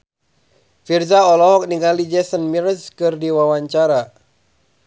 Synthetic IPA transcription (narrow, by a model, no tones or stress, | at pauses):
firzaɔlɔɦɔk̚niŋalid͡ʒɛsənmirskɨrdiwawaɲt͡ʃaɾa